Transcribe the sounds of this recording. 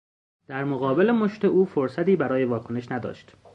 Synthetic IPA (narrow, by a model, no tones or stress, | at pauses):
d̪̥æɾmoɣɒːbe̞lemoʃt̪eʔuːfoɾsæt̪iːbæɾɒːje̞vɒːkʰone̞ʃnæd̪ɒ̰ːʃt̪